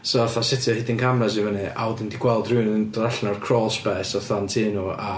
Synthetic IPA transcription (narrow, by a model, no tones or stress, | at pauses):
sɔθasɪtʰɔhɪdinkʰamrɛs̬ivənɨʔa̰wdəndiɡwɛlˠdruːnndraɬnɔrkʰrɔːlˠsbɛːsɔθantʰiːnua